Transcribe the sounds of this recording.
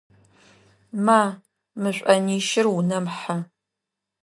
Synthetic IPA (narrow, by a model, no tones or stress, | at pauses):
maː | mɨɕʷʼɐniːʃɪrwunɐmħa